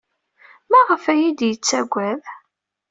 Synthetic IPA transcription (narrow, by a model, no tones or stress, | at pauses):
mæʁəfæjid̪jət͡sːæɡʷːæð